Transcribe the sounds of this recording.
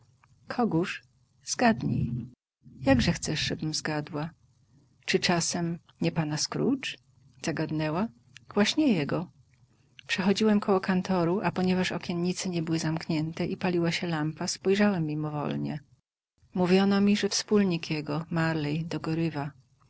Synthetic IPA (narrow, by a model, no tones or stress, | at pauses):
kʰɔɡuʂ | z̥ɡad̪ɲḭj | jaɡʐɛxt̪sɛʂʐɛbɘmzɡad̪wa | t͡ʂɘt͡ʂasɛm | ɲɛpanaskɾṵt͡ʂ | z̥aɡad̪nɛwa | ɡ̥waɕɲɛjɛɡɔ | pʂɛxɔd͡ʑiwɛmkʰɔwɔkant̪ʰɔɾuʔapɔɲɛvaʂɔkʲjɛnɲit̪sɘɲɛbɘwɘzamkɲɛnt̪ɛʔipalʲiwaɕɛlampaspɔjʐawɛmʲːimɔvɔ̰lɲɛ̰ | muvʲjɔnɔmʲiʐɛfspulɲikjɛɡɔmaɾlɛjd̪ɔɡɔɾɘva